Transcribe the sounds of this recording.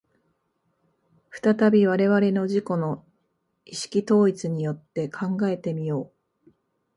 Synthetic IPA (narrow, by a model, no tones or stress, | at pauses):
ɸɯ̟̥t̪at̪abʲiβ̞aɾe̞βaɾe̞no̞ʑiko̞no̞ | iɕi̥kʲit̪o̞ːit͡sɨɲ̟ijo̞t̪ːe̞kʰãŋɡae̞t̪e̞mʲijo̞ː